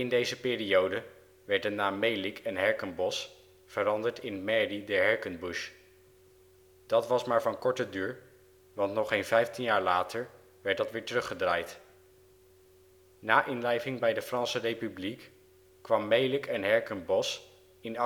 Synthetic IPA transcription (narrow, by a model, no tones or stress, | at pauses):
ɪndejzəpɪːriowdə | ʋɛɹdənaːmːejlɪkʰɛnɦɛɹkənbɔs | fəɾɑndəɹtɪnmɛridɛɹɦɛɹkənbuʃ | d̥ɑtʋɑsmaːɹvɑnkɔɹtədyːɹ | ʋɑntnɔχejnvɛjftinjaːɹlaːtʰəɹ | ʋɛɹtdɑtʋɪːɹtərɵχədraːjt | naːʔɪnlɛjvɪŋbɛjdəfrɑnsərejpyblik | kʋɑmːejlɪkɛnɦɛɹkənbɔs | ɪn